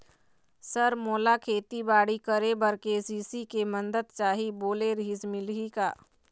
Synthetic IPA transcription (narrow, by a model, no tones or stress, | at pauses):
səɾmoːlakʰeːt̪ibaːɽikəɾebəɾkesiːsikemənd̪əd̪t͡ʃaːɦiboːleɾiːsmɪlɦikaː